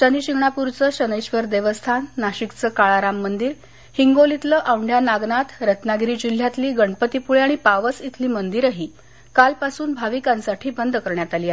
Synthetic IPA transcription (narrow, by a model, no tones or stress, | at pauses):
t͡ɕəniɕiɡɳapuɾt͡səɕənejɕʋəɾd̪eʋəst̪ʰanːaɕikt͡səkaɭaɾamːənd̪iːɾ | hiŋɡolit̪ləʔaʋɳɖʱjanaɡnat̪ɾət̪naɡɾiːd͡ʑil̤jat̪liːɡəɳpət̪ipuɭeaɽ̃ipaʋət͡sit̪ʰliːmənd̪iɾaɦiː | kalpasuːnbʱaʋikãnsaʈʰiːbənd̪kəɾɳjat̪aliːa